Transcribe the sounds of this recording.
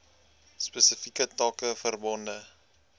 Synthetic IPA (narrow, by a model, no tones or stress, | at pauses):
spɛsəfikətɑːkəfərbɔndə